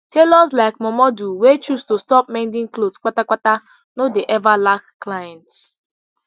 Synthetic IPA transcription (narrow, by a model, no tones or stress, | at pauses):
telɔslaɪkmɔmɔduwet͡ʃustostɔp̚mãndɪ̃ŋklodsk͡patakata | nodeʔɛvalakːlajɛ̃nts